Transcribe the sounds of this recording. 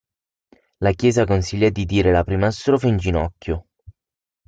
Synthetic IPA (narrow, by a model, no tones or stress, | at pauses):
lakjɛːzakonsiʎːad̪id̪iːɾelapɾiːmast̪ɾofaind͡ʒinɔkʲːjo